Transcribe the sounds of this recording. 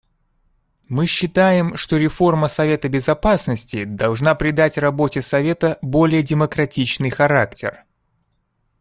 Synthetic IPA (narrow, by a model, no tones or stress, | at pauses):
mɨɕːɪt̪ajɪmʂt̪oɾʲɪfo̞rməsɐvʲe̞t̪əbʲɪzɐpasnəsʲtʲɪd̪ɐlˠʐnapɾʲɪd̪atʲrɐbo̞tʲɪsɐvʲe̞t̪əbo̞lʲɪjədʲɪməkɾɐtʲit͡ɕnɨjxɐɾaktʲɪ̰r